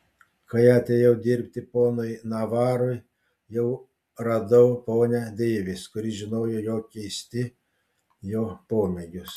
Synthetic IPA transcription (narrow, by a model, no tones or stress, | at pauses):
kɐɪɐt̪ʲejɛʊd̪ʲɪːɾʲpʲt̪ʲɪpoːnʊjnɐʋɑːɾʊj | jɛʊ | ɾɐd̪ɐʊpoːnʲɛd̪ʲeːʋʲɪskʊɾʲiʒʲɪnoːjojoːkʲɛɪsʲt̪ʲɪ | joːpoːmʲɛɡʲʊs